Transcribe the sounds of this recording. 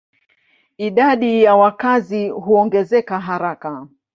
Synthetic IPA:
iɗaɗijawakaziɦuɔŋɡɛzɛkaɦaɾaka

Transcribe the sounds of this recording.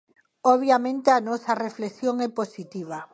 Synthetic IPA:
oβjamẽnt̪eanɔsɐrefleksjoŋɛposit̪iβ̞a

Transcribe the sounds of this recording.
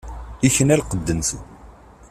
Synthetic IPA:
içənælqəd̪ːənsən

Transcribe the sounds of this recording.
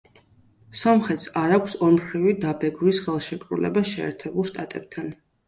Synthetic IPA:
sɔmχɛt̪saɾakʷʰsɔɾmχɾivid̪abɛɡɾisχɛlˠʃɛkʼɾulɛ̰basʃɛ̰ːɾt̪ʰɛbulˠʃt̪ʼat̪ʼɛb̥̚t̪ʰan

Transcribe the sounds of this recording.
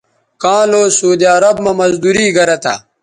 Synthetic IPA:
kãːloːsuːd̪iɐɾɐbmɐmɐzd̪uːɾiːɡɐɾɐt̪a̰

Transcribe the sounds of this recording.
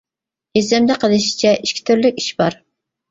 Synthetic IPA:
ezɛmd̪ɛqʰəlˠɨʃi̥t͡ʃʰɛʔiʃkʲʰi̥t̪ʰyɾlykʲiʃbɑɾ

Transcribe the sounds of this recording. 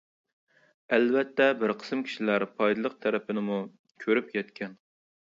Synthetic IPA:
ɛlvɛt̪ʰːɛbɪɾqʰə̥sɨmkʲʰi̥ʃilæɾpʰɑjd̪ɨlˠəq̚t̪ʰæɾɛpɪnɪmu | kʲʰøɾypjɛt̪kʲʰɛn

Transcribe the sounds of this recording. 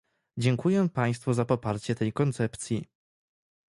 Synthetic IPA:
d͡ʑɛŋkujɛpaj̃st̪fuzapɔpaɾt͡ɕɛt̪ɛjkɔnt̪sɛpt̪sʲji

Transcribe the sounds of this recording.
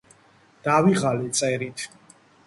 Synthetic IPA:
d̪̥aviʁalit̪sʼɛɾit̪ʰ

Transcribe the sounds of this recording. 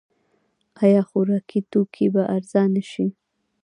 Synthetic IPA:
ɑjɑxoɾɑkʰit̪okʰibaʔaɾzɑnəʃi

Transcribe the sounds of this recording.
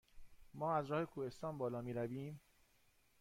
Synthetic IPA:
mɒːæzɾɒːhe̞kʰuːhe̞st̪ɒːnbɒːlɒːmiːɾæviːm

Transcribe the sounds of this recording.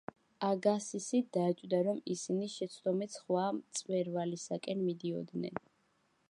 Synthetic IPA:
aɡasisid̪̥at͡ʃʼd̪aɾɔmisiniʃɛt̪sʰd̪ɔmit̪sχwamt̪sʼvɛɾvalisakʼɛnmid̪iɔ̰d̪nɛ̰n

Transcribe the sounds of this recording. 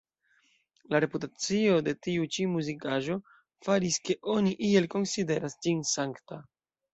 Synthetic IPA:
laɾe̞putat͡sio̞de̞tiut͡ʃimuzikaʒo̞ | faɾiske̞ʔo̞niʔie̞lko̞nside̞ɾasd͡ʒinsaŋkta

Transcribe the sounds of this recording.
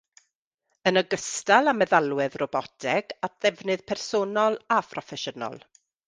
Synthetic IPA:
ənəɡəstalˠamɛðalˠwɪðrɔbɔtʰɛɡ̥at̚ʰð̥ɛvnɨð̥pʰɛrsoːnɔlˠapʰrɔfɛʃənɔ̰lˠ

